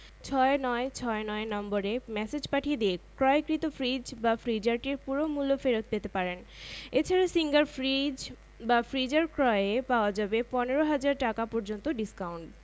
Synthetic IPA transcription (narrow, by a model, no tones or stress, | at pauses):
t͡ɕʰɔenɔet͡ɕʰɔenɔenɔmboɾemɛsed͡ʑpaʈʰijed̪iekɾɔekɾit̪ofʰɾid͡ʑbafɾid͡ʑaɾʈiɾpuɾomulːofeɾot̪̚pet̪epaɾen | et͡ɕʰaɾasiŋɡaɾfɾid͡ʑ | bafɾid͡ʑaɾkɾɔeepaoad͡ʑabepɔneɾoɦad͡ʑaɾʈakapɔɾd͡ʑont̪oɖiskawuɳʈ